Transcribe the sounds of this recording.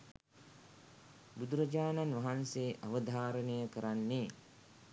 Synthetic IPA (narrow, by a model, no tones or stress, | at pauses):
bud̪uɾɐd͡ʒaːnanʋɐɦanseʔaʋəd̪ʱaːɾənəjəkəɾanːeː